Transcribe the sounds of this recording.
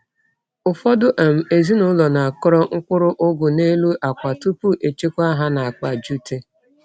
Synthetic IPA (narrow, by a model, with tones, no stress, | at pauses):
ʊ˨fɔ˦dʊ˦ʔa˨m̩˨e˨zi˦nʊ˦lɔ˨na˨a˨kʊ˦ɾɔ˦ŋ̩˦kʷʊ˦ɾʊ˦ʔʊ˦ɡʊ˨ne˦lu˦ʔa˨kʷa˨tu˦pu˦ʔe˨t͡ʃe˦kʷa˦ɦa˦na˨a˨k͡pa˨d͡ʒu˦te˦